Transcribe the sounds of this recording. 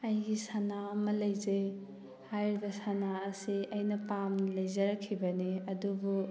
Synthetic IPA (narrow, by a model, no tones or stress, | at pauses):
ɐjɡisanaɐmɐlɐjzej | hajɾibɐsanaːsiɐjnɐpamlɐjzɐɾɐkʰːibɐniɐdubu